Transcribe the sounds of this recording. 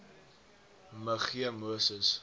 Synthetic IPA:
məχiəmuəsəs

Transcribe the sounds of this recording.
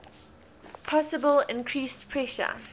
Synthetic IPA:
pʰɔsəbəlɪ̃nkʰɹiːstpʰɹɛʃə̰

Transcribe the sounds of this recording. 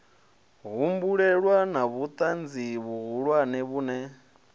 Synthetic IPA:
ɣumbuɺɛɺwanaβut̪ʼand͡ziβuɣuɺwanɛβuːnɛ

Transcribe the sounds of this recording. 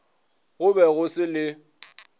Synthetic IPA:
ɣʊbɛɣʊsɪlɪ

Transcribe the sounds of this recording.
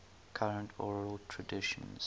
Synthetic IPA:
kʰaɹə̃ntʰɔɹiəltʰɹədɪʃə̰̃nz̥

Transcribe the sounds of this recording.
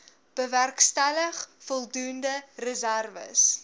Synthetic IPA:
b̥əværkstæləχfɔlˠdundərəzærvə̰s

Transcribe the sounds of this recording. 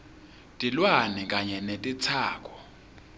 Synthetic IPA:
tʼilwanɛkʼaɲɛnetʼit͡sʰaːk̬ʼɔ̥

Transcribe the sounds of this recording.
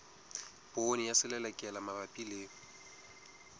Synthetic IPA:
b̥onijasɪlɛlɛkʼɛlamabapʼileːŋʊ

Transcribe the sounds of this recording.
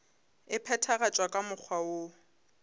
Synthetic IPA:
ɪpʰɛtʰaɣat͡ʃʼwakʼamʊk͡xʰwaʊ

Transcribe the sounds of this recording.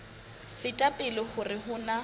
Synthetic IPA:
fɪtʼapʼɪlɪχʊrɪhʊna

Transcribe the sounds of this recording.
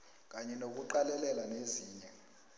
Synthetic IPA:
k̬ʼaɲɛnok̬uǃalɛlɛlaneziːɲɛ

